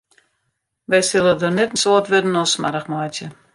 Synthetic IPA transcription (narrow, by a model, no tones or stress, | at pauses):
ʋɛjsɪlˠədonɛtn̩soːtʋɪdən̩ɔsma̰ɾəxmajtjə